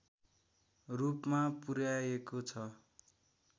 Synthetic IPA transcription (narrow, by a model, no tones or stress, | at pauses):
rupmapuɾjaekot͡sʰʌ